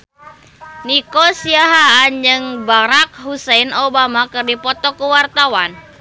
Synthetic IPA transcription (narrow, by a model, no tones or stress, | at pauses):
nikosiaɦand͡ʒɨŋbaɾak̚ɦusɛnobamakɨrdipɔt̪ɔkuwart̪awan